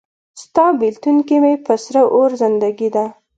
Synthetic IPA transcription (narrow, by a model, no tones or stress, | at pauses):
st̪ɑbilt̪unkimepəsɾəʔoɾzɪnd̪aɡid̪a